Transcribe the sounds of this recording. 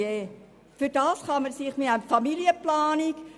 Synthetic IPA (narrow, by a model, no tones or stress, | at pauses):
eː | fyɾd̥ɑːsχɑməɾsiχmɪtamfɑmiljəplaːnik